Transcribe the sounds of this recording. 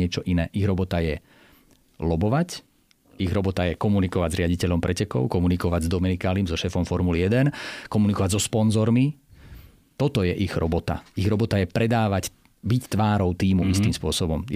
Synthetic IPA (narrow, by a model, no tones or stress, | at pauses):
ɪɛt͡ʃɔʔinɛːʔiɣɾɔbɔt̪ajɛ | lɔbɔʋac | iɣɾɔbɔt̪ajɛkɔmunikɔʋaɟzɾɪaɟicɛʎɔmpɾʔɛcɛkɔ̰ʊkɔmunikɔʋaɟzd̪ɔmɛnikaːlimzɔʃɛːfɔmfɔɾmulijɛd̪ɛnkɔmunikɔʋaɟzɔspɔnzɔɾmi | t̪ɔt̪ɔjɛʔiɣɾɔbɔt̪a̰iɣɾɔbɔt̪ajɛpɾɛd̪aːʋac | bict̪ʋaːɾɔʊt̪iːmuʔist̪iːmspʊɔsɔbɔm